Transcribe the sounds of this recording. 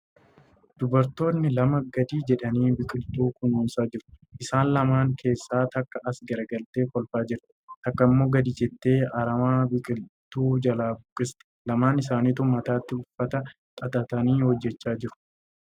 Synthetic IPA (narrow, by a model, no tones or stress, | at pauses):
d̪̥ʊbɐɾt̪o̞ːnːɪlɐmɐɡɐd̪iːd͡ʒɛᶑɐniːbɪkʼɪlt̪uːkʊnuːsaːd͡ʒɪɾʊ̥ʔɪsaːnlɐmaːŋkʰe̞ːsːaːt̪ɐkːɐʔɐsɡɐɾɐɡɐlt̪e̞ːkɔlfaːd͡ʒɪɾ | t̪ɐkːɐɪmːo̞ːɡɐd̪iːd͡ʒɛt̪ːe̞ːɐɾɐmaːbɪkʼɪlt̪uːd͡ʒɐlaːbʊkʼːɪst̪ɛ̥lɐmaːnɪsaːniːt̪ʊmɐt̪aːt̪ːɪʊfːɐt̪ɐ | t̪ʼɐt̪ʼɐt̪ɐniːhɔd͡ʒːɛt͡ʃːaːd͡ʒɪɾʊ̥